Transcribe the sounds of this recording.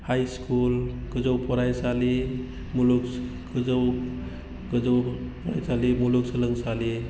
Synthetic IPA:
hajskulkəd͡zəwpɔɾajt͡sale | muluk | kəd͡zəw | kəd͡zəwpɾa̰jt͡salimuluksələŋɡsale

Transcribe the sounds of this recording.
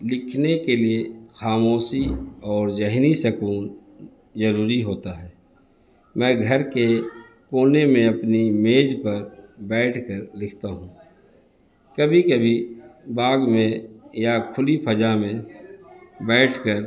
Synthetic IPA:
lɪkʰnekeliexaːmoːsiɔːɾd͡ʒɛɦnisəkuːn | zəɾuːɾiɦoːt̪aɦɛː | mɛ̃ːɡʱɐɾke | koːnemẽɐpnimeːd͡ʒpɐɾbɛːʈʰkəɾlɪkʰt̪aɦũ | kɐbʱikɐbʱibaːɡmẽjakʰʊlipʰɐd͡ʒamẽ | bɛːʈʰkəɾ

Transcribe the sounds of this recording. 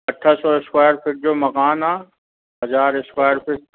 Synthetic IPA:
ɐʈʰːəsɔːɪskwaːjəɾfʰɪk̚d͡ʑoːmɐkaːnaː | ɦɦɐzaːɾɪskaːjəɾpɪk̚

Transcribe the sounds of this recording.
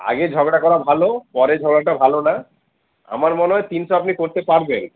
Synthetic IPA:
a̰ɡed͡ʑʱɔɡɽakɔɾabʱalopɔɾed͡ʑʱɔɡɽaʈabʱalona | a̰maɾmɔneɦɔjt̪inʃoapnikoɾt̪epaɾben

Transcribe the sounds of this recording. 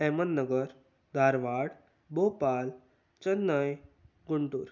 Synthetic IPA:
ɛmənːəɡəɾ | d̪ʱaɾʋaɽ | bopal | t͡ɕənːaj | ɡuɳʈuːɾ

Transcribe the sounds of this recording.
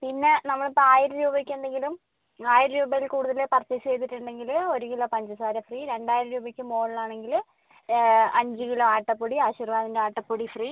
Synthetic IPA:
pinːe̞nɐmːɐɭpːoaːjiɾɐɾuːbɐkʲːeːɳɖeŋɡilum | aːjiɾɐɾuːbɐjilkuːɽuðɐlepɐrt͡ɕːɐt͡ɕe̞jd̪iʈːuɳɖe̞ŋɡilo̞ɾukilopɐɲd͡ʑɐsaːɾɐfriːɾe̞ɳɖaːjiɾɐɾuːbɐkʲːɨmo̞ːɭlaːɳe̞ŋɡil | ɐɲd͡ʑɨkiloaːʈːɐpːoɽiaːɕirʋaːðindeaːʈːɐpːuɽifriː

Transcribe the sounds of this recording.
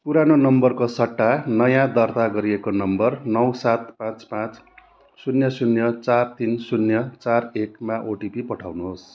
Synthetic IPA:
puɾanonʌmbʌrkosʌʈːanʌjãd̪ʌrt̪aɡʌɾiekonʌmbʌrnʌwsat̪pãt͡spãt͡s | sunjʌsunjʌt͡sart̪insunjʌt͡sarekmaʔoʈipipʌʈʰawnuɦos

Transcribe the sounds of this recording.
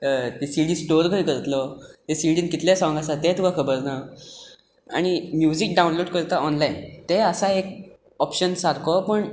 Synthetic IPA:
t̪esilɖĩsʈoɾɡʱəjkəɾt̪lɔt̪esiɖiːnkit̪lesɔ̃ŋɡasat̪et̪uɡʱakʰəbəɾna | a̰ɽ̃imjud͡ʑik̚ɖaunloɽkəɾt̪aʔɔnlaint̪eəsaek̚ | ɔpɕənsaɾkʰɔpəɳ

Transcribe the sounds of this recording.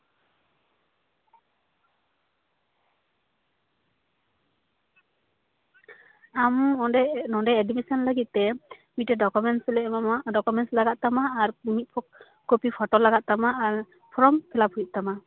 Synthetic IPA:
am | nɔdɛɛdimisɔnləɡit̪̚t̪ɛmit̪̚tɛdɔkumɛnslɖɔkumɛnslaɡat̪̚t̪amaːɾmit̪̚pʰɔk̚ | kopipʰɔʈɔlaɡat̪̚t̪amaaɾ | pʰɔɾɔmpʰɛlaphujt̪̚t̪ama

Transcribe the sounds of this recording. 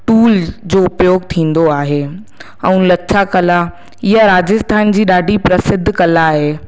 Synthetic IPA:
ʈuːld͡ʑoːʊpjoːɡt̪ʰĩːn̆d̪oaːɦe | ɛ̃ũlɐːɕʰakɐla | ɪɦaɾaːd͡ʑəst̪ʰaːnd͡ʑiːɗaːɖʱipɾɐsɪd̪ʱːkɐlaːɦeː

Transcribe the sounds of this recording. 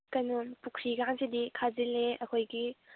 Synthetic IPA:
kɐnumpukʰɾiɡaŋsidikʰazileɐkʰojɡi

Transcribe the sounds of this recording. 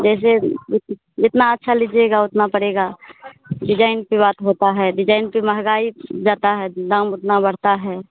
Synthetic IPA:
d͡ʒɛːs̬eɪ | d͡ʒɪt̪naətːʃʰalɪd͡ʒeɡaʊt̪napəɽeːɡa | ɖɪd͡ʒaːɪnpebaːt̪ɦoːt̪aɦɛɖɪd͡ʒaːɪnpeməɦɡaːid͡ʒaːt̪aɦɛd̪ãːmʊt̪nabəɽ̤t̪aɦɛː

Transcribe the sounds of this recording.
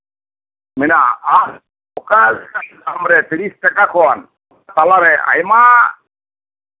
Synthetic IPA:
mɛnaːɾ | ɔkasɛkait̪amɾɛt̪iɾisʈakakʰɔwan | t̪alaɾɛa̰jma

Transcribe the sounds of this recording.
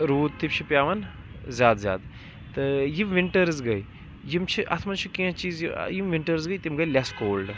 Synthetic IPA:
ɾuːd̪̚t̪ːipt͡ʃʰipʲjaːʋɐn | zʲjaːd̪zʲja̰ːd̪ | t̪ɨjimʋiɳʈɐɾɨzɡɐj | jimt͡ʃʰiʔɐ̰t̪ʰmɐnt͡ʃʰikiãt͡ʃiːzjḭjimʋiɳʈɐɾzɡɐjt̪imɡɐjlʲɐskoːlɖ

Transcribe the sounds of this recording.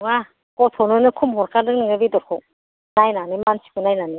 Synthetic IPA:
ŋa | kɔtʰɔnonɯkʰumɦɔɾkʰadɯk̚nɯŋɯbidɔɾkʰɔŋ | najnanimansi̥kʰunajnani

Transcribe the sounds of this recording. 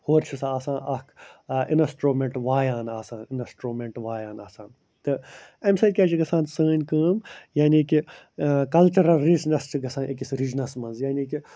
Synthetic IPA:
hoːɾt͡ʃʰisaːsãːʔɐkinɐsʈɾoːmẽɳʈʋaːjaːnaːsãːninɐsʈɾoːmẽɳʈʋaːjaːnaːsãːn | t̪ɨemsɐkʲaːt͡ʃʰiɡɐsãːnsəːnʲkəːmjaːniki | kɐlt͡ʃɐɾɐlɾiznɐst͡ʃʰiɡɐsãːʔekisɾid͡ʒnɐsmɐnzjaːniːki

